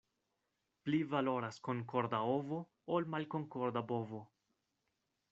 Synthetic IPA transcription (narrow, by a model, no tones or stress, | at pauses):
plivalo̞ɾaskoŋko̞ɾd̪aovo | olmalko̞ŋkoɾd̪abovo